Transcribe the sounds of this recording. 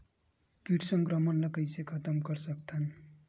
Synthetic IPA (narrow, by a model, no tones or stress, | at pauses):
kiʈʰsʌŋkɾʌmʌnlʌkəjsekʰʌt̪əmkʌɾsʌkt̪ʰən